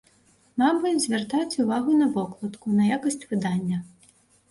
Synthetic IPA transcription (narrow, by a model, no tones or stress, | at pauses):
mabɨzʲvʲart̪at͡sʲuvaɣunɐvɔklˠɐt̪kunɐjakɐsʲt͡sʲvɨd̪anʲːɐ